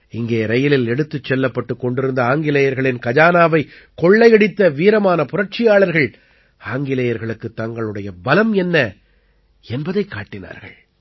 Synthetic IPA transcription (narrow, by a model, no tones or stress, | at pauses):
ɪŋɡeːɾɐjɪlɪlɛɽɯt̪ːɯt͡ʃːɛlːɐpːɐʈːɯkːɔɳɖɪɾɯnd̪ɐaːŋɡɪlɐjɐɾɣɐɭɪnkɐd͡ʒaːnaːʋɐɪ | kɔɭːɐɪɛɽɪt̪ːɐʋiːɾɐmaːnɐpʊrɐʈ̚t͡ʃɪjaːɭɐɾɣɐɭ | aːŋɡɪlɐjɐɾɣɐɭɯkːɯt̪ːɐŋɡɐɭɯɽɐjɐbɐlɐmɛnːɐ | ɛnbɐðɐɪkːaːʈːɪna̰ːɾɣɐ̰ɭ